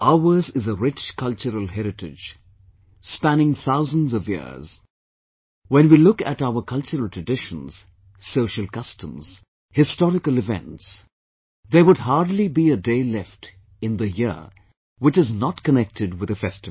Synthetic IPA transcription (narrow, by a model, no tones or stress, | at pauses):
ʔaə˞zɪzəɹɪt͡ʃkʰʌlˠt͡ʃəɾəlˠɦɛɾɨtɪ̰d͡ʒ | spænɪ̃ŋθaʊzə̃nzʌvjɪ̰ɹz̥ | wɛ̃nwilʊkɨ̰ɾaʊə˞kʰʌlˠt͡ʃəɹəl̩ˠtʰɹ̥ɨdɪʃə̃nz̥ | soʊʃəlˠkʌstʰə̃mz̥ | hɪstɔɾɨkəlˠɨvɛ̰̃nts | ðə˞wʊd̚ɦɑɹdˡlibiɨdeɪlɛft | ɨ̃nðɨjɪ̰ | wɨt͡ʃɨznətkənɛk̚tʰɨd̚wɨðɨfɛstɨvl